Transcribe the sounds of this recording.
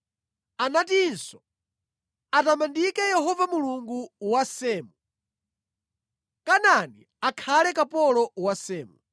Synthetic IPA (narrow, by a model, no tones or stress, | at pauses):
anatinsɔ | atamandikɛjɛɦɔvamuluŋɡuwasɛːmu | kanani | akʰalɛkapɔlɔwasɛːmu